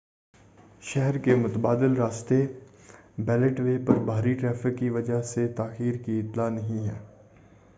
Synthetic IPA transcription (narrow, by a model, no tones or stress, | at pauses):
ʃɛɦɛɾkemʊt̪baːd̪ɪlɾaːst̪e | bɛːləʈʋeːpɐɾbʱaːɾiʈɾɛːfɪkːiʋɐd͡ʒaset̪aːxiːɾkiɪt̪laːnɐɦĩɦɛ̰ː